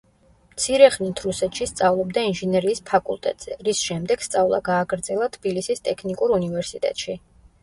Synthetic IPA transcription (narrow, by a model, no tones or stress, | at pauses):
mt̪sʰiɾɛχnit̪ʰɾusɛt̪ʰʃist̪sʼavlˠɔbd̪ainʒɛnɛɾiːspʰakʼṵlˠt̪ʼɛ̰t̪ʼz̥ɛɾisʃɛmd̪ɛɡ̥st̪sʼavlˠa̰ɡaːɡɾd̪zɛlˠat̪ʰb̥ilisist̪ʼɛkʰnikʼuɾunivɛɾsit̪ʼɛ̰t̪ʼʃi